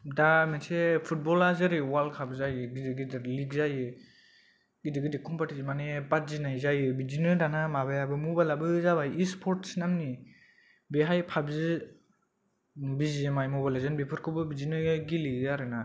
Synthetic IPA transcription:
damensepʰut̚bɔlazɯɾiwalkʰabɯzajɯɡidiɡidɯɾliɡzajɯ | ɡidɯɡidikʰumpatizimanepat̚zinajzajɯbizinɯdanamaβajabɯmubalabɯzaβajispʰɔɾtsinamni | beɦajpʰabzɯ | bizimajmubalazɯnbepʰɯɾkʰɯbɯbizinɯɡiliaɾɯna

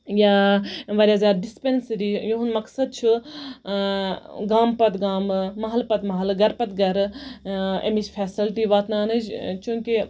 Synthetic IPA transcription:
jaːʋaːɾʲiɐzaːɾɖispensɾijoɦunmɐksɐd̪̚t͡ʃʰi | ɡaːmpɐt̪ɡaːmːɐɦɐlpɐt̪mɐɦɐlɡɐɾpɐt̪ɡɐɾ | ḛmit͡ʃʰfʰɛːsilʈiʋaːt̪naːnɨd͡ʒt͡ʃũːŋki

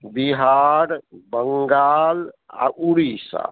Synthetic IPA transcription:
biɦaɾbəŋɡala̰ʔuɽisa̰

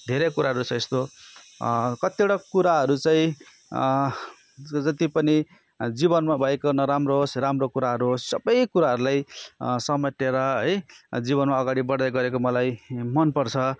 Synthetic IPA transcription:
d̪ʱeɾekuɾaɦʌɾut͡sʌ̃ĩest̪o | kʌt̪ioɽʌkuɾaɦʌɾut͡saĩ | d͡zʌt̪ipʌni | d͡zibʌnmabʱʌekonʌɾamrosramrokuɾaɦʌɾuɦssʌbʌjkuɾaɦʌɾulajsʌmʌʈ̪eɾʌɦʌjd͡ziβʌnmaʌɡaɽibʌɽd̪ʌjɡʌɾekomʌlajmʌnpʌrt͡sʰʌ

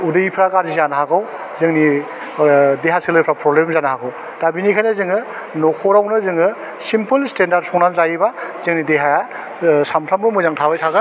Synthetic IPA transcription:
udɯjipʰɾaɡaɾzizanaɦaɡaw | zɯŋni | deɦasɯlɯpʰɾapɾɔblemzanahaɡɯw | d̥abinikʰajnazɯŋɯ | nɔkʰɔɾawnɯzɯŋɯ | simpʰɯlstendaɾd̚sʰɔŋnanzajibazɯŋnideɦaja | samtʰɾambɯmɯjzaŋtʰawajtʰaɡɯ

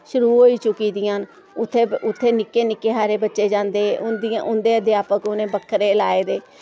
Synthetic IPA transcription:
ʃʊɾuːɦoːiːt͡ʃʊkiːd̪ɪjãːn | ʊt̪ʰːeːʊt̪ʰːeːnɪkːeːnɪkːeːɦaːɾeːbətːʃeːd͡ʒãːnd̪eːʊnd̪ãʔʊnd̪eːəd̪jaːpəkʊnẽːbəkʰːəɾeːlaːeːd̪eː

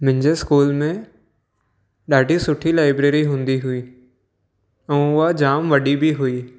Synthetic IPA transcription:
mʊ̃ɦɪ̃ɲd͡ʑeskuːlmẽ | ɗaːɖʱisʊʈʰilaːɪbɾeːɾiɦũːnd̪iɦʊiː | ɛ̃ːʊɦad͡ʑaːmʋɐɗibʱiɦuiː

